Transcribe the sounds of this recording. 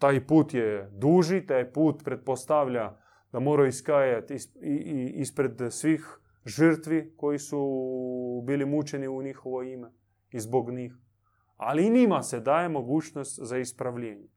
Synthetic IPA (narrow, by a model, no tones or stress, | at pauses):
t̪aːjpuːt̪jed̪uːʒit̪aːjpuːt̪pɾe̞t̪̚po̞st̪aʋʎa | d̪̥amo̞ːɾaiskajat̪i | ispɾe̞d̪sʋiːx | ʒəɾt̪ʋiko̞jisu | biːlimut͡ʃe̞niuɲixoʋo̞ime | izboɡɲiːx | a̰linimased̪aːje̞mo̞ɡuːt͡ʃno̞st̪zaispɾaʋʎeːɲe